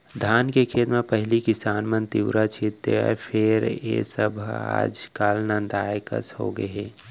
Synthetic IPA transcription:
d̪ʱaːnkekʰeːt̪mãpəɦɪlikɪsaːnmənt̪iwɾat͡ʃʰit̪ːea̰pʰɪɾḛsəbʱa̰ːd͡ʒkaːlnãnd̪aːjkə̰sho̰ɡə̰eː

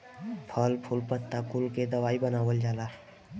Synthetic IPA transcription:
pʰəlpʰʊlpət̪ːakulked̪ɐʋaːibənaːʋəld͡ʒaːlaː

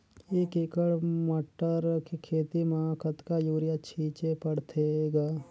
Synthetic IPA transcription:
ekɪkəɽmɐʈːəɾkekʰeːt̪imãːkət̪kajuːɾɪjat͡ʃʰiːt͡ʃepɐɽt̪ʰeɡaː

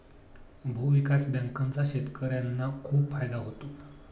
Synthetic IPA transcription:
bʱuʋikasbãŋkant͡saɕet̪kʰəɾjanːakʰuːpfajd̪aɦot̪o

